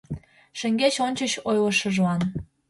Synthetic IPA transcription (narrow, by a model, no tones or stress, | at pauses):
ʃɘ̆ŋɡet͡ɕonʲt͡ɕə̆ɕojlɤ̆ʃɤ̆ʒɑn